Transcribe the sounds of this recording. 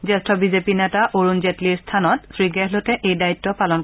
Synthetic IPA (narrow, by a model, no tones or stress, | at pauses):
zɛstʰɔbizepinɛtaʔoɹunzetliɹstʰanɔtsɹiɡɛɦlotɛʔejdaitːɔpalɔn